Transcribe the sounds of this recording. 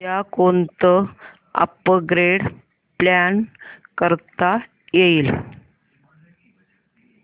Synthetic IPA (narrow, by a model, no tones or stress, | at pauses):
akont̪ə | ə̰pəɡɾeɽ | plankəɾt̪a | jeil